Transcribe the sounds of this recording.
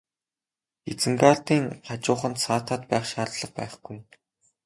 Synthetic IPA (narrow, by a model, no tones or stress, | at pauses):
et͡sɘ̆ŋɡaːɬt̪iːŋɢat͡ɕʊːχə̆nt̪saːt̪ʰaːt̪pæːχʃaːɮɮə̆q̚pæ̰ːχɡ̥uj